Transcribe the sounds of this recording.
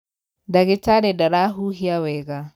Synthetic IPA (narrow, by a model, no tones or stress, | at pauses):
daɣɪtaɾɛdaɾaɦuɦiawɛɣa